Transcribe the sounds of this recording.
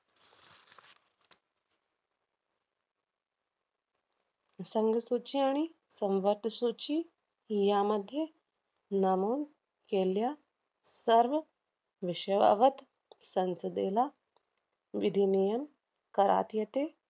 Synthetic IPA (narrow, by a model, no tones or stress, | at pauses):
səŋɡəsut͡ɕiaɽ̃isəmʋəɾt̪əsut͡ɕiː | jaməd̪ʱːje | namuːn | kelja | səɾʋə | ʋiʃəʋa̰ʋət̪ | sənsəd̪ela | ʋid̪ʱinijəm | kəɾa̰t̪jet̪e